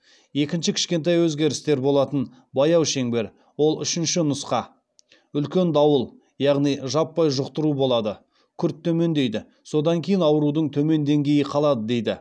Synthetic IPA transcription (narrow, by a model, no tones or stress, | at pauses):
je̞kʲɪnʃɪkʲʰɪ̥ʃkʲe̞nt̪̬ɑjwɵzɡʲe̞ɾɪst̪e̞ɾbo̞lˠɑt̪ən | bɑjɑwʃe̞ŋbe̞ɾ | wo̞lˠʏ̰ʃɪnʃɪnʊsqɑ | ʏlkʲe̞nd̪ɑwəlˠ | jɑʁnijʒɑpːɑjʒʊqt̪əɾubo̞lˠɑd̪ə | kʲʰʏɾt̪ʰːɵme̞nd̪e̞jd̪ɪ | so̞d̪ɑŋkʲʰe̞jɪnɑwəɾud̪əɴt̪ʰɵme̞nd̪e̞ŋɡʲe̞jɪqʰɑlˠɑd̪əd̪e̞jd̪ɪ